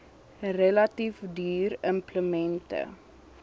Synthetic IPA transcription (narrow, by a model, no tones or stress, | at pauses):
relɐtifdyːrəmpləmɛntə̰